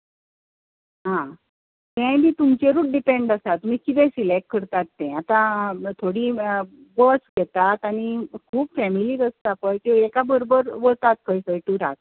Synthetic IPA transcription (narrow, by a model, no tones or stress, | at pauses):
ɦã | t̪ɛ̃biːt̪umt͡ɕeɾuːʈ̚ɖipẽɳɖasat̪ːum̤ikit̪ẽsilekʰːəɾt̪at̪ːẽat̪ãt̪ʰoɽiː | bəsɡɛt̪at̪aɽ̃ikʰuːpfɛmiliːkəst̪apəɳkĩʋekabəɾobəɾboɭt̪at̪kʰəjsəjʈuɾat